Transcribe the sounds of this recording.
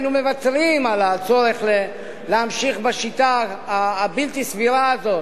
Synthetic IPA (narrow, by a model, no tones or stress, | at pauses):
nume̞vat͡sʁimalat͡so̞ʁeχle | leamʃiχbeʃit̪aː | bilt̪isviɾaːzo̞t